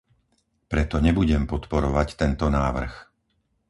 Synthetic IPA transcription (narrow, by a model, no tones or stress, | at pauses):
pɾɛt̪ɔɲɛbuɟɛmpɔt̪pɔɾɔʋact̪ɛnt̪ɔnaːʋr̩x